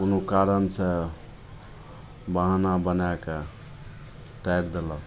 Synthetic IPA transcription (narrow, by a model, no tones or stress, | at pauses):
unokaɾənse | baɦnabənake | t̪əjɾd̪elɔ